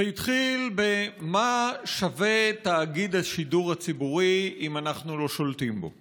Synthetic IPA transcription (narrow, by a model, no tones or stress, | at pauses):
eit̪χilbemaʃave̞t̪aːɡid̪aʃiduʁhat͡sibuʁiimanaχnulo̞ʃolt̪imbo̞̰